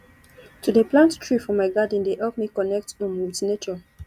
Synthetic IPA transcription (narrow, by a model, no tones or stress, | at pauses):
tudəplãnttɹifɹɔ̃maɪɡad̃n̩dehɛlpmikɔnɛk̚tɔ̃nmultinet͡ʃɔ